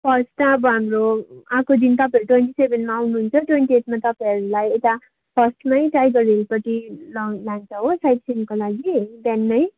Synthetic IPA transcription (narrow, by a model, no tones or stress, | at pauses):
pʰʌst̪aʌbʌɦamroãkod̪int̪ʌpajʌɾuʈwenʈisebʱenmaawnuɦunt͡sʰʌʈwenʈieʈmat̪ʌpaj̃ʌɾulajet̪a | pʰʌsʈmajʈajɡʌrelpʌtilʌlant͡sʰʌɦosajʈsʰenkolaɡibannʌj